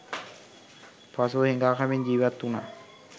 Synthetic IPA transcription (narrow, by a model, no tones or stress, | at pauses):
pasoheŋɡaːkamiɲd͡ʒiːʋʋat̪ːuna